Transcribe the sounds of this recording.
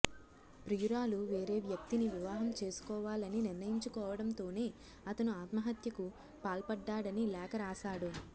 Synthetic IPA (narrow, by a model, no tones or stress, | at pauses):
pɾijuɾaːluʋe̞ːɾe̞ːʋjɐk̚t̪iniʋiʋaːɦɐmt͡ʃe̞ːsu̥kɔːʋaːlɐniniɾnɐjiɲt͡ʃukɔːʋɐɽɐmt̪o̞ːne̞ː | ɐt̪ɐnuaːt̪mɐɦɐt̪jɐku | paːlpɐɖːaːɽɐnilɛːkɐɾaːsaːɽu